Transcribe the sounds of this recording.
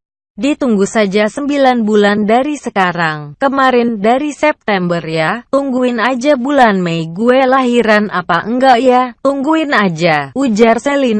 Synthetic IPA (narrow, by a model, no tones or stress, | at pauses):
dit̪uŋɡusad͡ʒasəmbilanbulandaɾisəkaɾaŋkəmaɾɪndaɾisɛp̚t̪ɛmbərjat̪uŋɡuɪnad͡ʒabulanmɛjɡuɛlaɦiɾanʔa̰paʔəŋɡaʔjat̪uŋɡuɪnad͡ʒaud͡ʒarsəlin